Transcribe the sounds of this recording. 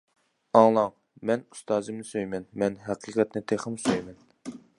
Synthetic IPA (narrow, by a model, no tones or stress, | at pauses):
ɑŋlˠɑŋ | mɛnu̥st̪ɑːzɨmnɨsøjmɛnmɛnɦæqʰiːqʰɛt̪nɪt̪ʰeχəmsøjmɛn